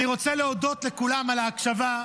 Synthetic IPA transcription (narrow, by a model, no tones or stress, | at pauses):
niʁo̞t͡seleod̪o̞t̪le̞kulamalaːkʃava